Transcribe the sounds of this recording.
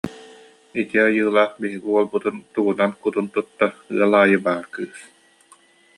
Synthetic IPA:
it̪iajɯːlˠaːχbiɦiɡiuɔlˠbut̪unt̪uɡunankut̪unt̪ut̪ːaɯɐlˠaːjɯbaːɾkɯːs

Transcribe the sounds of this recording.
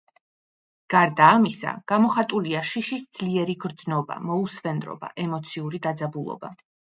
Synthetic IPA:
ɡ̥aɾd̪aːmisa̰ɡ̥amɔχat̪ʼuliaʃiʃisd̪z̥liɛɾiɡɾd̪znɔba̰mɔusvɛnd̪ɾɔ̰ba̰ʔɛmɔt̪sʰiuɾid̪ad̪zabulˠɔ̰ba

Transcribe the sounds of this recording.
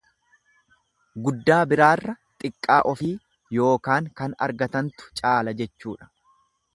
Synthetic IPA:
ɡʊd̪ːaːbɪɾaːrːɐ | t̪ʼɪkʼːaːʔɔfiː | jo̞ːkaːŋkɐnɐ̰ɾɡɐt̪ɐnt̪ʊ̥t͡ʃʼaːlɐd͡ʒɛt͡ʃːuːᶑɐ̥

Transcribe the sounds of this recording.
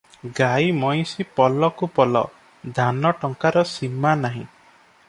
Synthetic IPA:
ɡajmɔj̃sipɔlɔkupɔlɔ̰ | d̪ʱanɔʈɔŋkaɾɔsimanaɦḭ̃

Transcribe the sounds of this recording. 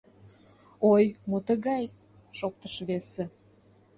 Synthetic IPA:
ojmot̪əɣɑj | ʃok̚t̪ə̥ʃβese

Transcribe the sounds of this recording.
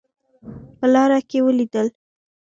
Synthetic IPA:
pəlɑɾakewəlid̪əl

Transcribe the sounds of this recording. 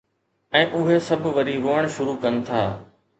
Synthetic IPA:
ɛ̃ːʔʊɦesɐbʱʋɐɾiːɾoəɽ̃ʃʊɾuːkɐnɪ̆t̪ʰaː

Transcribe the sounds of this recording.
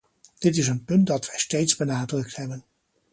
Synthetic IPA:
d̥ɪtɪsənpɵnt̚dɑtʋɛjstejtzbənaːdrɵk̚tɦɛbən

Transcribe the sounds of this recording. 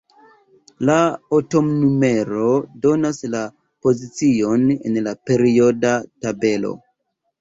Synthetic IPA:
laoto̞mnume̞ɾo̞do̞nasla | po̞zit͡sio̞ne̞̰nlape̞ɾio̞databe̞lo̞̰

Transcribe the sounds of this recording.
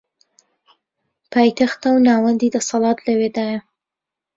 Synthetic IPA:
pʰɑjt̪axt̪awnɑwand̪id̪əsɑlɑt̪lawed̪ɑja

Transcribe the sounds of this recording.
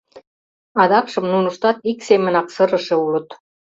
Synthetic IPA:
ɑd̪ɑkʃɤ̆mnunəʃt̪ɑt̪iksemə̆nɑksɤ̆ɾə̆ʃeulə̆t̪

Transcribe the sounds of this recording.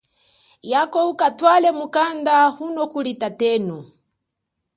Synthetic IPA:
jakɔukatwalɛmukandahunɔkulitatɛnu

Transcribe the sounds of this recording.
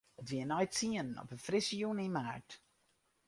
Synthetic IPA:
ətʋiənɔjtsiənɔ̰pənfrɪsəjuːnimaːɹt

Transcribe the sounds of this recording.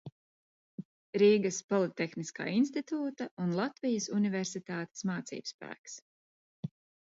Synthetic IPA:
ɾiːɡaspɔlˠit̪ːexniska̰ːinst̪it̪uːt̪aunlˠat̪vijɐsunivɛɾsit̪aːt̪e̥smaːt̪sḭːbspæ̰ːks

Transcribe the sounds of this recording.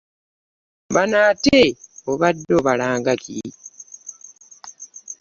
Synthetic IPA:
βanaːteoβadːoβalaːŋɡaki

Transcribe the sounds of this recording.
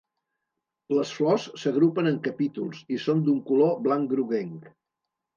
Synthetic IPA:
ləsflɔsːəɣɾupənəŋkəpit̪ulˠsisond̪uŋkuloblaŋɡɾuɣeŋk

